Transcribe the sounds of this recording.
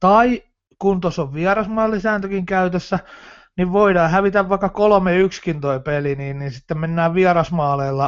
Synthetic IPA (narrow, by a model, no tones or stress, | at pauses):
t̪ɑi | kunt̪osoʋʋiɑrɑsmɑːlːisæːnt̪økiŋkæyt̪øsːæ | niʋʋoidɑːhæʋit̪æʋʋɑikːɑkolomeykskint̪oipeliniːnninsit̪ːemmenːæːʋʋiɑrɑsmɑːleːlːɑ